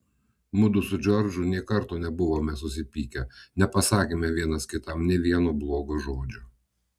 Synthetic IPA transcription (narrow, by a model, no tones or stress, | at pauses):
mʊd̪ʊsʊd͡ʒʲɔɾʲd͡ʒʊnʲiɛkɐɾt̪oːnʲɛbʊʋoːmʲɛsʊs̬ʲɪpʲiːkʲɛnʲɛpɐsɑːkʲeːmʲɛʋʲiɛnɐskʲɪt̪ɐmnʲɛʋʲiɛnuːblˠoːɡoʒoːd͡ʒʲʊ